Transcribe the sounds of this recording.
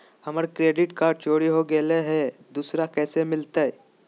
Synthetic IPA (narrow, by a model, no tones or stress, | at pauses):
hɐməɾkɾeːɖɪʈkaːɖ̚t͡ʃoːɽiɦoɡeleɦɛd̪uːsɾakɛːsemɪlt̪aɦɛ